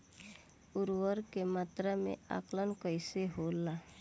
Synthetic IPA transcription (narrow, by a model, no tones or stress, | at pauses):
ʊɾwəɾkemət̪ɾamḛ̃a̰klənkəjseɦoːlːa